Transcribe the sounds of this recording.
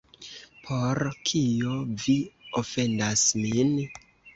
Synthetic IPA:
pʰo̞ɾkʰijo̞viofe̞ndasmin

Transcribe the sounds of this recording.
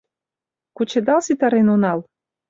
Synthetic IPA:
kut͡ɕed̪ɑlˠsit̪ɑɾenunɑlˠ

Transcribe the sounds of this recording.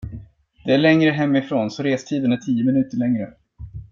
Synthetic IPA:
d̪̥ɛæɭɛŋɾəɦɛmːɪfɾoːnsɔɾeːst̪ʰiːd̪ənæʈʰiːəmɪnʉ̟ːt̪əɭɛŋɾə

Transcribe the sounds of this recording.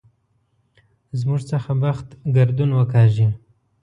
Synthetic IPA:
zmuʐt͡səxawaxt̪ɡaɾd̪unwəkɑʒi

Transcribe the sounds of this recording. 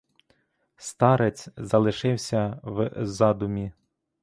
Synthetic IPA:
st̪ɑɾet͡sʲzɐlˠɪʃɪwsʲɐwzɑd̪ʊmʲi

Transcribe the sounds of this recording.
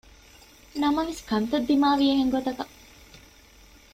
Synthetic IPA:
nɐmɐʋeskɐnt̪ɐd̪ːimaːʋiɐɦeŋɡot̪ɐkɐ

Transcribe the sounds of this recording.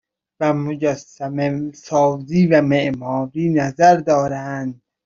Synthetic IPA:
væmod͡ʒæsæmesɒːziːvæmeʔmɒːɾiːnæzæɾd̪ɒːɾænd̪̚

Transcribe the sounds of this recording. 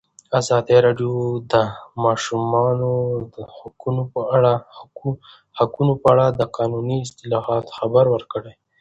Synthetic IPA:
azɑd̪eɾɑɖjod̪əmɑʃumɑnod̪əhakunopaɽa | hakunopəaɽad̪əqɑnuniɪst̪ɪlɑhɑt̪xabaɾwəɾkəɽaj

